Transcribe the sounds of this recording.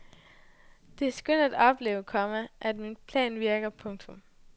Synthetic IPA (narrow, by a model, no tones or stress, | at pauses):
d̥e̝æɐsɡ̥øn̰d̥æd̥ɒ̽b̥le̝ːʊkʰɒ̽məʔæd̥minpʰlɛ̰ːnʋiɐɡ̥ɐpʰɔ̽ŋt͡sʰɔ̽m